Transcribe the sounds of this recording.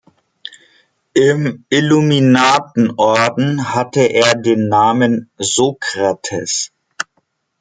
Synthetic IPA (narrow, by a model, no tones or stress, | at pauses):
ʔɪmʔiluminaːtn̩ʔɔɐdn̩hatəʔeːɐdeːnːaːmənzoːkʁ̥atʰɛ̰s